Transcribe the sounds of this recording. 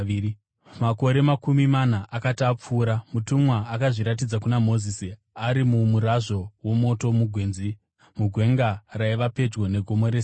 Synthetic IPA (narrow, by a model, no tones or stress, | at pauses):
mako̞ɾe̞makumimanaʔakatap͡fuːɾamutumwaːkaʐiɾat̬id͡zakunamo̞zisi | aɾimumuɾaʐo̞wo̞mo̞to̞muɡʱwe̞ːnzi | muɡʱwe̞ŋɡaraiʋape̞d͡ʒɡo̞ne̞ɡʱo̞mo̞ɾes